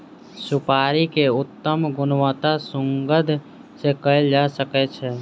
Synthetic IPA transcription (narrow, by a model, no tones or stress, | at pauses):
sʊpaːɾikeʊt̪ːəmɡʊnʋət̪asʊ̃ŋɡəd̪ʱ | sekəid͡ʒaːsəkɛt͡ʃʰɛː